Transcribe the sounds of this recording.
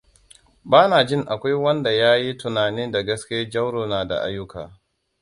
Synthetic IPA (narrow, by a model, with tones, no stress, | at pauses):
baː˦naː˨d͡ʒɪ˦˨ŋʔa˨kʷa˦jwɐ˦nda˨jaː˦ji˦tʊ˨naː˨niː˦nda˨ɡɐ˦skʲːd͡ʒɐ˦wɽoː˨naː˨da̰˨ʔa̰˦jːʊ˦ka̰ː˨